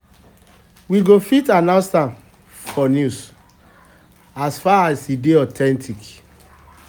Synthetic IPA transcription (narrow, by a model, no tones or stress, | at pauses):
wiɡofitanãsãn | fɔnjus | asfaasideɔtʰɛ̃ntʰik